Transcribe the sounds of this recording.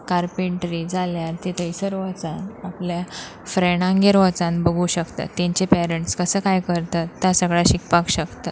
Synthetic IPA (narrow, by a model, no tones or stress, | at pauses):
kaɾpiɳʈɾiːd͡zaljaɾt̪et̪əjsəɾʋat͡sanaplja | fɾeɽ̃ãŋɡeɾʋat͡sãnbəɡʱuɕəkt̪a̰t̪ːẽɲt͡ɕepɛɾəɳʈskəsəːkajkəɾt̪at̪ːjasəɡɭaɕikpakɕəkt̪ə